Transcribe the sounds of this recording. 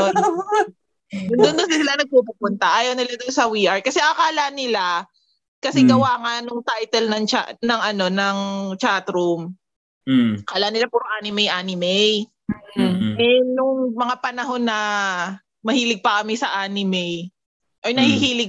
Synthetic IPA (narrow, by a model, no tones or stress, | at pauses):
o | d̪ʊnd̪ʊnd̪ʊnsɪsɪlanɐɡ̚pupʊpʊnt̪ɐʔaːjɐwnɪlad̪onsɐwiʔaɹkɐsɛʔakaːlanɪla | kɐsɛɡɐwaːŋɐnʊŋt̪ajt̪ɛlnɐŋt͡ʃanɐŋɐno̞nɐŋt͡ʃaːt̪ɾʊm | kaːlaʔnɪlapʊɾŋʔaːnɪmɛjʔaːnɪmɛj | m̩ʔɛnʊŋmɐŋapɐnɐɦo̞nːɐ | mɐhiːlɪɡ̚pɐkɐmɪsɐʔaːnɪmɛj | ʔojnɐhihiːlɪɡ̚